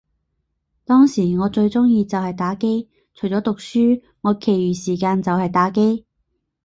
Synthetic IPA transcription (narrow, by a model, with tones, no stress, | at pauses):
t̪ɔː˥ŋsiː˨˩ŋɔː˨˧t͡ʃɵ˧ɥt͡sʊ˥ŋjiː˧t͡sɐ˨whɐ˨jt̪aː˨˥ke˥j | t͡ʃʰɵ˨˩jt͡sɔː˨˥t̪ʊ˨k̚syː˥ | ŋɔː˨˧kʰe˨˩jɥyː˨˩siː˨˩kaː˧nt͡sɐ˨whɐ˨jt̪aː˨˥ke˥j